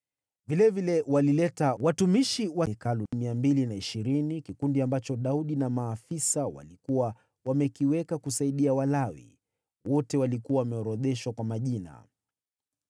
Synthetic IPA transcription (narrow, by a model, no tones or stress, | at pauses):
vilɛvilɛwalilɛtawatumiʃiwakalumiambilinaiʃiɾinikikundiambat͡ʃɔɗauɗinamaːfisawa̰likuwa | wamɛkiwɛkakusaiɗiawalawḭ | wɔtɛwalikuwawamɛɔɾɔðɛʃwakwamaʄina̰